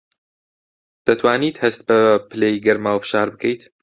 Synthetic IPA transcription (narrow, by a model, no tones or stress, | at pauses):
d̪̥ɐt̪ʰwaːniːt̪hɐst̪̚bɐpʰɨlejɡɐɾmaːwfɨ̥ʃaːɾbɨkʰɛjt̪